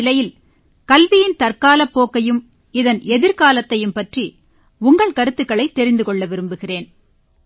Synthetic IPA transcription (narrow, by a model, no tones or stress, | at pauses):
ɪlɐjɪl | kɐlʋɪjɪnt̪ɐrkaːlɐpːoːkːɐjɯm | ɪðɐnɛðɪɾkaːlɐt̪ːɐjɯmpɐʈri | ʊŋɡɐɭkɐɾɯt̪ːɯkːɐɭɐɪt̪ːɛɾɪnd̪ɯkɔɭːɐʋɪɾɯmbɯɣɪreːn